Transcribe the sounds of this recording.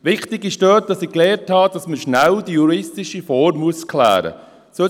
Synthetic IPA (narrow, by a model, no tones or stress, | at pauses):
ʋɪχtɪɡɪʃdøːt̚d̥ɑsɪkleːɾthɑːd̥ɑsməʃnældijuɾɪstɪʃifɔːɾmmːuəskʰlæ̰ːɾə̰ | sø